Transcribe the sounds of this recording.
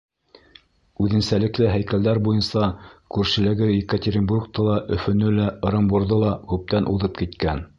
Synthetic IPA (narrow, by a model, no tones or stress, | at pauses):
ʉðɘ̆nsælɘ̆klɘɦæjkæld̪æɾbujɤnsɑkʉɾʃɘ̆lɘ̆ɡɘvekət̪ʲeɾʲɪnburk̚t̪ɤlˠɑʔɵ̆fɵ̆nɵlæɤ̆ɾɤ̆mbuɾðɤlˠɑkʉp̚t̪ænʔuðɤp̚kit̪kæn